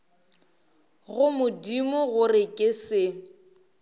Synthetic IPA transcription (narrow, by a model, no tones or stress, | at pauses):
ɣʊmʊdimʊɣʊrɪkʼɪsɪ